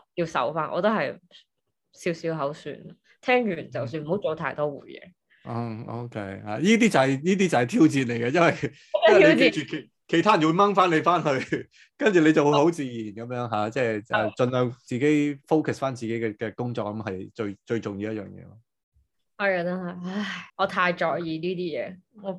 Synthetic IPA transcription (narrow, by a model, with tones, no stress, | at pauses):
ji˧wsɐ̰˨˥wfaː˥nʔɔ̰ː˨˧t̪o˥hɐ˨j | siː˨˥wsiː˨˥wɦɐ˨˥wsy̰ː˧n | t̪ʰɛː˥ŋjyː˨˩nt͡sɐ˨wsyː˧nm̩˨˩ho˨˥wt͡so˨˧˥wt̪ʰaː˥jt̪ɔː˥wṵː˨˩jɛɛ̰ː˨˧˥ | o̰˧kʰe˧˥jha̰ː˨˩jiː˥t̪iː˥t͡sɐ˨whɐ˨˩jjiː˥t̪̬iː˥t͡sɐ˨˩hɐ˨jt̪ʰiː˥wt͡siː˧nle˨˩jɡɐ˧jɐ˥nwɐ˨j | ɐ˨e˧˥ke˥t͡ʃyː˨˩kʰe˨˩ | kʰe˨˩jtʰa˥jɐ˨˩n˩wu˧jmɐ˥ŋfaː˥nle˨˧jfaː˥nɦɵ˧ɥ | kɐ˥nt͡ʃyː˨˩ne˨˧jt͡sɐ˨whho˨˥wt͡siː˧jiː˨˩nkɐ˨˦mjœː˨˥ŋɦaː˨˧t͡sɛː˥˩ɛ̰˨˧t͡ʃɵ˧nlœː˨˧ŋt͡siː˨ke˨˥jfo˥wkʰɐ˨˩sfaː˥nt͡siː˨ke˨˥jkɛ˧kɛ˧kʊ˥ŋt͡sɔː˧k̚ːɐ˨˦˥mɦɐ˨jt͡ʃɵ˧ɥt͡ʃɵ˧ɥt͡sʊ˨ŋjiː˧wjɐ˥t̚jœː˨˩ŋjɛ̰ː˨˧lɔ˧ | hɐ˨˩ja˧t̪ɐ˥hɐ˨˩a˥jŋɔː˨˧t̪ʰaː˧jt͡ʃɔː˨kjiː˨˧niː˥t̪iː˥jɛ̰ː˨˧ŋɔ˨˧